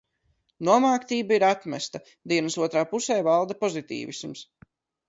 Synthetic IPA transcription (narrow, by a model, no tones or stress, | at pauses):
nuɔmaːkt̪iːbaiɾat̪mɛst̪a | d̪iɛnasuɔt̪ɾaːpusɛːvalˠd̪apɔzit̪ḭːvḭsums